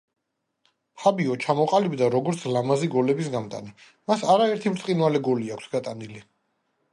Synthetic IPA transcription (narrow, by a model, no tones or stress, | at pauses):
pχʰabiɔt͡ʃʰamɔqʼalibd̪aɾɔɡɔɾt̪sʰlamaziɡɔlɛbisɡamt̪ʼa̰ni | masaɾaɛɾt̪ʰimt̪ʼqʼinwalɛɡɔliakʰsɡat̪ʼanili